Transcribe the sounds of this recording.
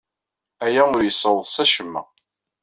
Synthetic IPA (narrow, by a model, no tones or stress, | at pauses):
æjæʊɾjəsːəwðˤsæʃəmːæ̰